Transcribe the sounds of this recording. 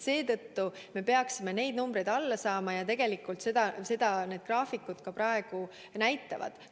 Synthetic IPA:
se̞ːt̪ɤ̞t̪ːu | me̞pe̞ɑksime̞ne̞jd̪̚numbre̞jd̪ɑlːɑsɑːmɑjɑt̪e̞ɡ̥e̞likːˑult̪se̞d̪ɑse̞d̪̥ɑne̞ːd̪̥̚krɑːfikːˑud̪̥kɑprɑe̞ɡ̥u | næjt̪ːˑɑvɑ̰d̪̥

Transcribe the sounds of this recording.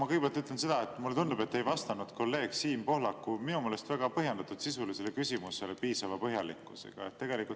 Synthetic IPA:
ɑkɤjɡ̥̚e̥pelt̪ːyt̪lense̞d̪̥ɑet̪ːˑmulet̪und̪ub̥e̞t̪ːe̞jvɑst̪ɑnud̪̥ko̞lːe̞ːɡ̥siːmpo̞hlɑkːˑuminumeːle̞st̪væɡ̥ɑpɤɦjend̪̥ɑt̪ːˑud̪sisulisele̞kysʲimuse̞lepiːsɑvɑpɤɦjɑlḭkːˑuse̞̰ɡ̥ɑ̰et̪ːe̞ɡ̥e̞likult̪

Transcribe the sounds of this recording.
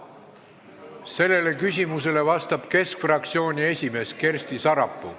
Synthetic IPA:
se̞lːe̞le̞kysʲimuse̞le̞vɑst̪ɑb̥ke̞skfrɑk̚t̪sio̞ːnʲie̞sʲime̞ːske̞rsʲt̪isɑɾɑpːˑṵ

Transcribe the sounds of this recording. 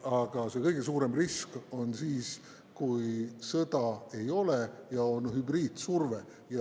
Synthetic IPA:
ɑɡ̥ɑse̞kɤjɡ̥es̬uːɾe̞mrisko̞nsiːs | kujsɤd̪̥ɑe̞jo̞lejɑo̞nhybriːd̪̥surve | jɑ

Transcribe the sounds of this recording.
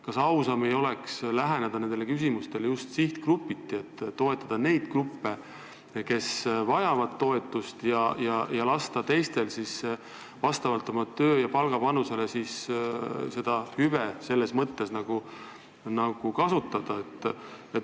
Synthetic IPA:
kɑsɑwsɑmejo̞le̞kslæɦe̞ned̪̥ɑne̞nd̪e̞le̞kys̬imust̪e̞ljust̪siht̪krupːit̪ːiet̪ːo̞e̞t̪ˑːɑd̪̥ɑne̞jd̪̥krupːe̞ | ke̞svɑjɑvɑd̪̥̚t̪o̞e̞t̪ːˑust̪jɑjɑjɑlɑst̪ɑt̪e̞jst̪e̞lsis | vɑst̪ɑvɑlt̪ːˑo̞mɑt̪ø̞ːjɑpɑlɡ̥ɑpɑnuse̞le̞sis | se̞d̪̥ɑhyvese̞lːe̞smɤt̪ːe̞snɑɡ̥u | nɑɡ̥ukɑsut̪ːˑɑd̪̥ɑet̪ːˑ | et̪

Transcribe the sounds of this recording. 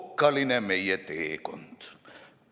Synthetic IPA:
kːɑlinemeijæt̪eːkont̪

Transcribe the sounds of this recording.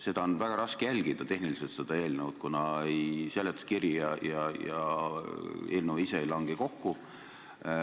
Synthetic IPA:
se̞d̪̥ɑonvæɡ̥ɑɾɑskejælʲɡ̥id̪̥ɑt̪e̞ɦniliselt̪se̞d̪̥ɑe̞ːlnevt̪̚kunɑejselːet̪ːskirjijɑjɑjɑ | e̞ːlnewiseejlɑŋɡ̥iko̞kːu

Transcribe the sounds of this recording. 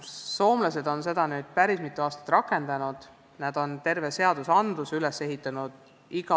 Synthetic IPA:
so̞ːmlɑse̞d̪o̞nse̞d̪̥ɑnyːd̪̥pæɾismit̪ːˑuɑːst̪ɑ̥t̪ːˑrɑkːˑe̞nd̪̥ɑnud̪̥ | næd̪̥o̞nt̪e̞rvese̞ɑd̪̥usɑnd̪̥usylese̞ɦit̪ːˑɑnud̪̥ | iɡ̥ɑ

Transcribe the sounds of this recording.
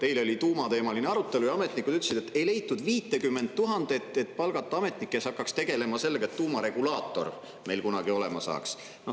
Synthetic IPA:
t̪e̞jlo̞lʲit̪uːmɑt̪e̞ːmɑlineɑɾut̪ːˑe̞lujɑɑme̞t̪ˑnikːˑud̪̥yt̪ːˑle̥sid̪et̪ːe̞jle̞jt̪ːˑud̪viːt̪ːˑekymːe̞nd̪̚t̪ːuɦɑnd̪̥et̪ːˑe̞t̪ːpɑlɡ̥ɑt̪ːˑɑɑme̞t̪nikˑːesɑkːɑkst̪e̞ɡe̞le̞mɑse̞lːeɡ̥ɑet̪t̪ːuːmɑɾe̞ɡ̥ulɑːt̪ːˑo̞̰r | me̞jlkunɑɡ̥io̞le̞mɑsɑ̰ːks | no

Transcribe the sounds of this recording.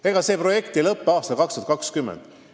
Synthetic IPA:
e̞ɡ̥ɑse̞ːpro̞je̞kt̪elɤpːeɑːst̪ɑlkɑkst̪uɑt̪kɑkskymːḛnd̪̥

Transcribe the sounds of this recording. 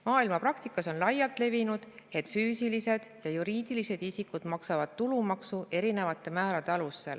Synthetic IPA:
mɑːilmɑpɾɑkt̪ikːˑɑso̞nlɑjːɑt̪ˑle̞vinud̪̥e̞t̪ˑfyːsilise̞d̪̥jɑjuɾiːd̪̥ilise̞d̪̥isikud̪̥mɑksɑvɑd̪̥t̪ulumɑksuʔe̞ɾine̞vɑt̪ːˑe̞mæːɾɑd̪e̞ɑlusːe̞̰l

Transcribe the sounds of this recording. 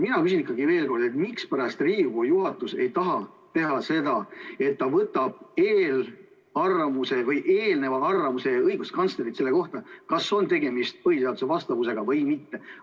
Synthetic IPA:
minɑkys̬ʲinikːˑɑɡive̞ːlko̞rd̪̥e̞t̪mikspæɾɑst̪riːɡujuɦɑt̪ːˑuse̞jt̪ɑɦɑ | t̪e̞ɦɑse̞d̪ɑe̞t̪ːɑvɤt̪ːˑɑb̥̚e̞ːl | ɑrvɑmuse̞vɤjʔeːlne̞vɑɑrvɑmuse̞ɤjɡ̥ust̪kɑnsleɾit̪se̞lːe̞ko̞ht̪ɑkɑsːo̞nt̪e̞ɡe̞mist̪̚pɤhisɑːd̪use̞vɑst̪ɑvuse̞ɡ̥ɑvɤjmit̪ːe̞

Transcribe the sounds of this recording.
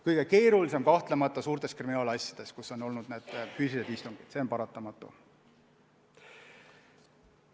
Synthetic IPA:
kɤjɡ̥e̞ke̞ːɾulis̬e̞mkɑht̪le̞mɑt̪ˑːɑsuːɾt̪e̞skriminɑːlɑsʲjɑd̪̥e̞skuso̞no̞lnud̪̥neːd̪̥fysʲised̪ist̪uŋɡ̥id̪̥se̞o̞npɑɾɑt̪ːˑɑmɑt̪ːˑṵ

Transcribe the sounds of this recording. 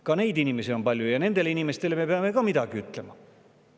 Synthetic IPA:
kɑne̞jd̪inime̞sio̞mpɑlʲjujɑne̞nd̪e̞leinimest̪e̞le̞me̞peɑme̞kɑmid̪̥ɑɡ̥iyt̪ˑle̞mɑ

